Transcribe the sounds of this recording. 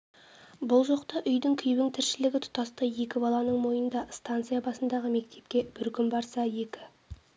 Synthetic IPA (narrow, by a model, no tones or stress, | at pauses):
bʊlˠʒoqt̪ɑʔʏjd̪ɪŋkʲʰʏjbɪŋt̪ʰɪɾʃɪlɪɡʲɪt̪ʰʊ̥t̪ɑst̪ɑjje̞kʲɪbɑlˠɑnəɴmo̞jənd̪ɑst̪ant̪sijabɑsənd̪ɑʁəme̞k̚t̪ʰe̞p̚kʲe̞b̥ɪɾkʲʏmbɑɾsɑje̞kʲɪ